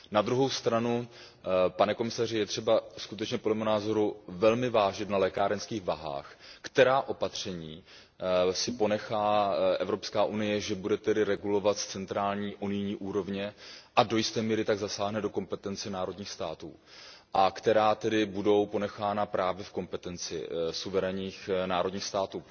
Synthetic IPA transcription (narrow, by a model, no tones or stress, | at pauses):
nad̪ɾuɦo̞wst̪ɾanu | panɛko̞mɪsarɪjɛt̪r̥ɛbaskut̪ɛt͡ʃɲɛpolɛmnaːzo̞ɾuvɛlmɪvaːʒɪt̪nalɛkaːɾɛnskiːɣvaɦa̰ːxkt̪ɛɾaːʔo̞pat̪r̝̥ɛɲiː | sɪpo̞nɛxaːʔɛvɾopskaːʔunɪjɛʒɛbudɛt̪ɛdɪɾɛɡulo̞vat̪st͡sɛnt̪ɾaːlɲiːʔunɪjɲiːʔuːɾo̞vɲɛʔado̞jɪst̪ɛːmiːɾɪt̪aɡzasaːɦnɛdo̞ko̞mpɛt̪ɛnt͡sɛnaːɾo̞dɲiːxst̪aːt̪ṵːʔakt̪ɛɾaːt̪ɛdɪbudo̞wpo̞nɛxaːnapɾaːvjɛfko̞mpɛt̪ɛnt͡sɪ̰suvɛɾɛɲiːxnaːɾodɲiːxst̪aːt̪uː